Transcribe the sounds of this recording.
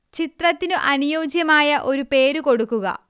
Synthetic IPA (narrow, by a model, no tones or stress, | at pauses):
t͡ɕit̪rɐt̪ːinuʔɐnujo̞ːd͡ʑjɐmaːjɐʔo̞ɾupe̞ːɾuko̞ɽukːuɣɐ̰